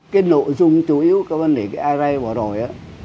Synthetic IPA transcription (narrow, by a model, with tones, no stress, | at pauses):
kaː˨˦jno̰˧˨jzʊ˧ŋ͡mt͡ɕu˧˩ʔi˨˦ə˦wkaː˨˦və˧nɗe˨˩kaː˨˦ʔaː˧za˧jvaː˨˩zo˨˩jʔaː˨˦